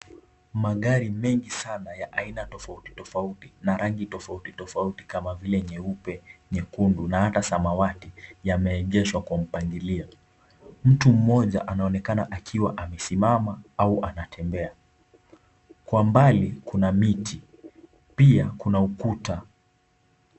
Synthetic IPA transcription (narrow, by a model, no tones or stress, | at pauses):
maɠaɾimɛŋɡisanajaʔainatɔfauti̥tɔfautinaɾaŋɡitɔfautitɔfauti̥kamavilɛɲɛupɛɲɛkundunahatasamawatijamɛːʄɛʃwakwam̩paŋɡiliɔ | m̩tum̩mɔʄa̰ʔanaɔnɛkanaʔakʰiwaʔamɛsimamaauʔanatʰɛmbɛa | kwambalikunamitʰi | piakunaukuta